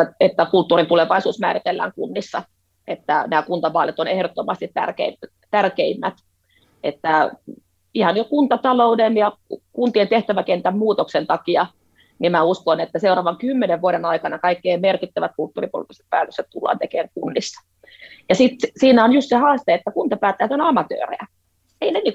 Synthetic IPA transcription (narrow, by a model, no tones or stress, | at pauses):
et̪ːækult̪ːuːrint̪uleʋɑisuːsmæːɾit̪elːæ̰ːŋkunːisːɑ̰ | ʔet̪ːænæːkunt̪ɑʋɑːlet̪onehdot̪ːomɑst̪it̪tæ̰rkḛi | t̪ærkeimːæt̪ | ʔet̪ːæ | ihɑnjokunt̪ɑt̪ɑloudenjɑkunt̪ient̪eht̪æʋækent̪æmmuːt̪oksent̪ɑkiɑ | nimæuskonet̪ːæseurɑːʋɑŋkymːeneʋʋuoɾenɑikɑnɑkɑikːeːmerkit̪ːæʋæt̪̚kult̪ːṵːripo̰lit̪ːˑise̥t̪̚pæ̰ːt̪økset̪t̪ulːɑ̰ːnt̪ekeːŋkunːisːɑ̥ | jɑsit̪siːnæonjust̪sehɑːst̪eet̪ːækunt̪ɑpæːt̪ːæhæt̪onɑmɑt̪ø̰ːrḛæ | einenik